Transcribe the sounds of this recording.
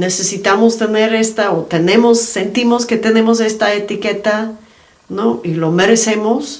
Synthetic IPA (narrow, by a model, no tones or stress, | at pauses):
ne̞se̞sit̪amo̞st̪e̞ne̞ɾe̞st̪aot̪e̞nẽ̞mo̞sːe̞nt̪imo̞ske̞t̪e̞nẽ̞mos̬e̞st̪aet̪ike̞t̪a | noilo̞me̞ɾe̞se̞mo̞s